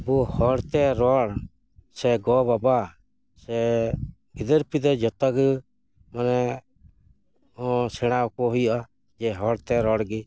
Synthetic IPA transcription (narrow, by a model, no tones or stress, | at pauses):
bɔhɔɽt̪ɛɾɔɽ | sɛɡɔbaba | sɛ | ɡid̪əɾpid̪ɛd͡ʒɔt̪aɡ | manɛ | ɔsɛɽ̃akɔɦujɔʔa | d͡ʒɛɦɔɽt̪ɛɾɔɽɡi